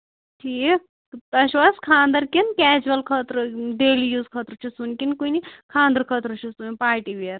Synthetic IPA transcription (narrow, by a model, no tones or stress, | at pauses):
ʈʰiːk | t̪ɐʃʋɐskʰaːnd̪ɐɾkinkʲɛːd͡ʒʋɐlkʰɐt̪ɾuɖeːlijuːzkʰət̪ɾut͡ʃʰusunkinkunikʰãːnd̪ɐɾkʰɐːt̪ɾut͡ʃʰusunipaːɾʈiʋeeɾ